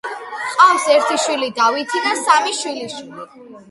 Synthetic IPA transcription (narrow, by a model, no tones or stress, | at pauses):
qʼafsɛɾt̪ʰiʃwilid̪avit̪ʰinasamiʃwiliʃwili